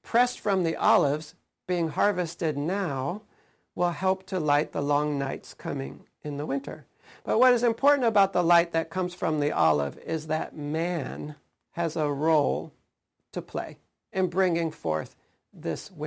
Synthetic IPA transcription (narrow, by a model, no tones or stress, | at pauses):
pʰɹ̥ɛstfɹʌ̃mðiʔɑlˠɪvz̥ | b̥iɪ̃ŋɦɑɹvɨstɨdⁿnaʊ | wɪlˠhɛlˠp̚tʰɨlaɪt̪̚ðəlɔ̃ŋnaɪtskʰʌmɪ̰̃ŋ | ɨ̃nðəwɪ̃ntʰə̰˞ | b̥ʌt̚wʌɾɨzɨ̃mpʰɔɹʔn̩təbaʊt̪̚ðəlaɪt̪̚ðɨt̚kʰʌ̃mz̥fɹʌ̃mðiʔɑ̰lˠɪ̰vɪzðɨt̚mæ̃n | ɨzəɹoʊlˠ | tʰɨpʰl̥ḛɪ | ɨ̃nbɹɪ̃ŋɪ̃ŋfɔ̰ɹθ | ðɪswɪ̃